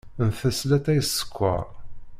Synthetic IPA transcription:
nfæslæt̪ːæjəsːə̥kʷːə̰ɾ

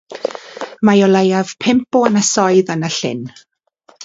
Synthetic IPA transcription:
majɔlˠejav̥pʰɪmpɔənəsɔɨðanəɬɪ̰n

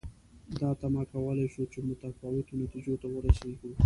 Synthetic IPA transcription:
d̪ɑt̪amɑkawəlajʃot͡ʃemʊɡt̪afɑwɪt̪onat̪id͡ʒot̪awəɾaseɡu

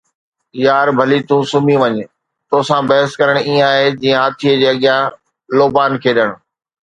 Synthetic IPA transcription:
jaːɾbʱɐlit̪ũːsʊmĩʋɐɲ | t̪oːsãbɐɦəskɐɾəɽ̃ĩaːɦed͡ʑiːə̃ɦaːt̪ʰiəd͡ʑeːɐɠɪjã | loːbaːnkʰeːɗəɽ̃

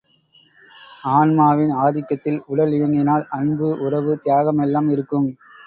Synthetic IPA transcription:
aːnmaːʋɪnaːðɪkːɐt̪ːɪlʊɽɐlɪɻɐŋɡɪnaːlɐnbɯʔʊrɐʋɯt̪ɪjaːɣɐmɛlːaːmɪɾɯkːɯm

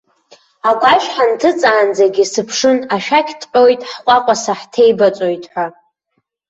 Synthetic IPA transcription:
aɡʷʼaʃħantʰɨt͡sʼaːnd͡zaɡʲisɨpʰʂɨnaʃᶣakʲʰtʰʼħʲʼo̞jtʼħqʷʼaqʷʼasaħtʰejbat͡sʷʼo̞jtʼħʷa

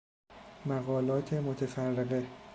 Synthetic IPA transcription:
mæɣɒːlɒːt̪ʰe̞mot̪ʰefærːeɣe

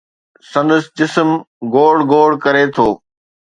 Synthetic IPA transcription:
sɐ̃nd̪əsd͡ʑɪsəm | ɡoːɽɡoːɽkɐɾet̪ʰoː

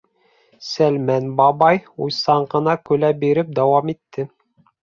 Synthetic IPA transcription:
sælmænbɑbɑjujsɑɴɢɤ̆nɑkɵlæbiɾɘp̚d̪ɑwɑmit̪ːɘ

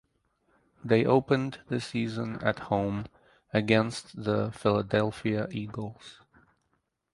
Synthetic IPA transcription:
ðeɪʔoʊpɨ̃nðɨsizə̃nɨ̰t̚hõʊ̃m | ɨɡɛ̃nstðəfɪlˠədɛlˠfiɨʔiɡl̩ˠz̥

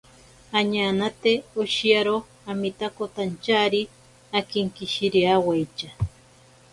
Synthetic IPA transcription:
aɲanat̪eoʃiaɾo | amit̪akot̪ant͡ʃaɾi | akiŋkiʃiɾiawajt͡ʃa

